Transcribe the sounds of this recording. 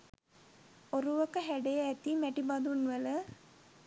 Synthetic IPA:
oɾuʋəkəɦæɖejəæt̪imæʈibad̪unʋələ

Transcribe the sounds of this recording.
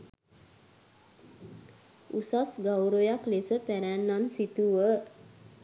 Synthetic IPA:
usasɡawɾojaklesəpæɾænːansit̪uʋə

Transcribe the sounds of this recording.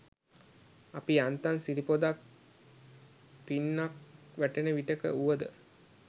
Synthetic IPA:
apiant̪ansiɾipod̪ak̚ | pinːak̚ʋæʈenəʋiʈəkə̰uʋəd̪ə

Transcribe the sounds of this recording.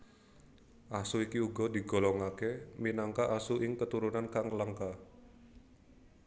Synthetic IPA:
ʔasuikiuɡɔdi̤ɡɔ̤lɔŋakeminaŋkaʔasuʔɪŋkət̪uɾunankaŋlaŋka

